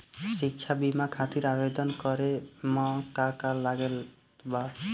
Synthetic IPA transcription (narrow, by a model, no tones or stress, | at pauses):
sik̚t͡ʃʰabimakʰat̪iɾabed̪ɔnkɔɾemɔkakalːaɡel | ba